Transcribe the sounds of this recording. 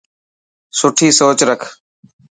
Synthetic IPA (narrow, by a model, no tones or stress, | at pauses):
sʊʈʰiːsoːt͡ʃɾəkʰ